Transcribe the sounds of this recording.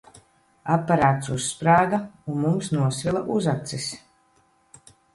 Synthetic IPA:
apːaɾaːt̪susːpɾaːɡaunmumsnuɔsvilˠaʔuzat̪sis

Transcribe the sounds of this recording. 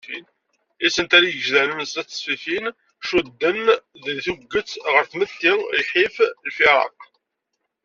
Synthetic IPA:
in | isənt̪æɾajəʒzænənəsæt͡sːə̥sfiθin | ʃud̪ːənððθuɡːət͡sːʁəɾθmət̪ːilħiflfiɾˤɑ̰q

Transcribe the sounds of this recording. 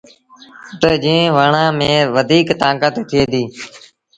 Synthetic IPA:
t̪oːd͡ʒĩːʋaːɳãːmẽːʋəd̪ʱiːkt̪ãːkət̪t̪ʰɪeːd̪iː

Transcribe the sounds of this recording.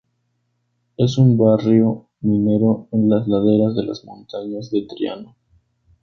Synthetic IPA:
e̞sumbarjo̞ | mine̞ɾo̞enlazlaðe̞ɾazðe̞la̰zmõnt̪aɲazðe̞t̪ɾja̰no

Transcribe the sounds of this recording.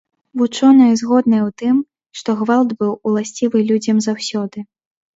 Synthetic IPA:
vut͡ʂɔnɐjɐzɣɔd̪nɐjɛwt̪ɨm | ʂt̪ɔɣvalˠd̪bɨwulˠasʲt͡sʲivɨlʲud͡zʲɐmzawsʲɔd̪ɨ

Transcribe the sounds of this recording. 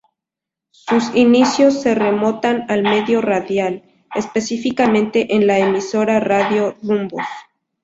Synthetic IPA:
susinisjo̞sːe̞re̞mo̞t̪analme̞ðjo̞raðjal | espe̞sifikamẽnt̪e̞ʔenlaemiso̞ɾaraðjo̞rumbo̰s

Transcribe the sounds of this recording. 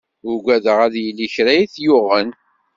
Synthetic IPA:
ʊɡʷæðəʁæðjilːiçɾæjiθjʊʁən

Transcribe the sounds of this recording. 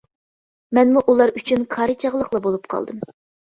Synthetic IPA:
mɛnmuʔulˠɑɾyt͡ʃʰynkʰɑɾɨt͡ʃʰɑʁlˠəχlˠɑbolˠup̚qʰɑ̰lˠd̪ɨm

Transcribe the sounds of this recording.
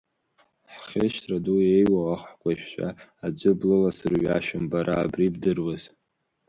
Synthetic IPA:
ħχʲeʃtʰraduejwawaχħkʷaʃʷᶣʃʷa̰ad͡ʒʷʊblɨlasɨrɥa̰ʃɨmbaɾʔaːbribdɨrwaz̥

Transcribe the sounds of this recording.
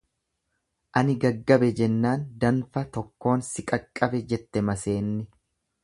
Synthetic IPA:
ʔɐnɪɡɐɡːɐbɛd͡ʒɛnːaːnd̪ɐnfɐt̪ɔkːo̞ːnsɪkʼɐkʼːɐbɛd͡ʒɛt̪ːɛmɐse̞ːnːɪ

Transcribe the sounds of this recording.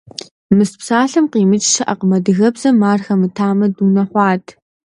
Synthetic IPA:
mɨspsaːɬɨmqiːmɨt͡ʃʼʃʰɨʔɐqəmɐdɨɣɐbzɐmaːrxɐmɨtʰaːmɐduːnɐχʷɑːtʰ

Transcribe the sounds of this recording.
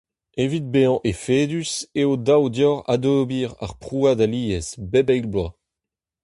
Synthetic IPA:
evit̪̚beɑ̃ʔefeːd̪yseodawdjɔʁa̰d̪oːbiːʁa̰ʁpχuadaliːɛsbebɛjɡblwa

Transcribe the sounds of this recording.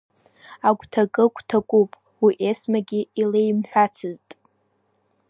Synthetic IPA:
aɡʷtʰakʼɨkʷʼtʰakʷʼupʼ | wiʔesmaɡʲiilejmħᶣʷat͡sʰɨztʼ

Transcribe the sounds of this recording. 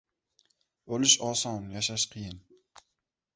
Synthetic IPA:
olɪʃɒsɒnjaʃaʃqʰɨjɪn

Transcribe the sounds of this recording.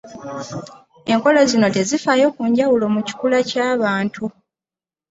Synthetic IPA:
e̞ŋko̞lo̞zino̞te̞zifajo̞ːkuːɲɟawulo̞muci̥kulacaːβaːntʰu

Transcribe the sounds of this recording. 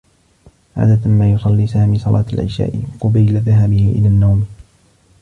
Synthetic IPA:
ʕa̰ːd̪at̪maːjʊsˤɑlːiːsaːmiːsˤɑlʔɑ̰ːt̪alʔɪ̰ʃa̰ːʔɪqʊbajlaðaɦabɪhɪʔɪ̰laːnːawm

